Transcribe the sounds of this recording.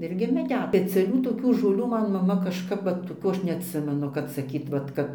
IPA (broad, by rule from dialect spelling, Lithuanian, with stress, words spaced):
ˈɪrʲɡʲɪ mʲɛˈdʲɛt pʲɛt͡sʲɛˈlʲuː toːˈkʲuː ʒoːˈlʲuː ˈmɐn mɐˈmɐ kɐʃˈkɐp ˈʋɐt toːˈkʲuː ˈɐʃ nʲɛɐtʲˈsʲɪmʲɛnʊ kɐt sɐˈkʲiːt ʋɐt ˈkɐt